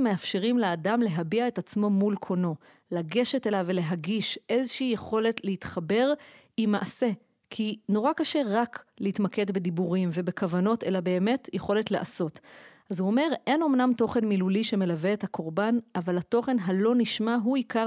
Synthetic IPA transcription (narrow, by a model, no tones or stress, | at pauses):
meafʃeʁimleadamle̞ɦabiae̞tat͡smo̞mulkʰo̞no̞ | laɡe̞ʃetelavele̞ɦaɡiʃʔe̞zoʃeijeχo̞le̞tlehitχabe̞ʁ | imaʔase̞ | kʰino̞ʁakaʃe̞ʁaklehitmake̞dbed̪ibuʁimve̞be̞kavano̞te̞labe̞ːme̞tjeχo̞le̞tleʔaso̞t | azuome̞ʁʔe̞no̞mnamto̞χe̞nmiluliʃe̞me̞laveethakʰo̞ʁbanʔavalato̞χe̞nɦalo̞niʃmaɦuika